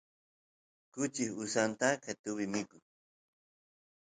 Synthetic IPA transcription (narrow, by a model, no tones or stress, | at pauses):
kʊt͡ʃɪhʊsant̪akat̪ʊβɪmɪkʊŋ